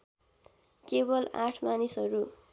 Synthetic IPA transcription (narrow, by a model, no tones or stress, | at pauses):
kebʌla̰ʈʰmanisɦʌɾu